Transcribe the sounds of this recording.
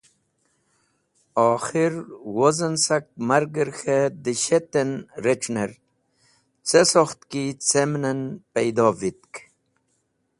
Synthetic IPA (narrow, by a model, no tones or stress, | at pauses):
ɔːxiɾwozənsak̚maɾɡəɾxed̪iɕet̪enɾeʈ͡ʂneɾ | t͡sesoxt̪kit͡semnɐnpejd̪ɔːvit̪̚k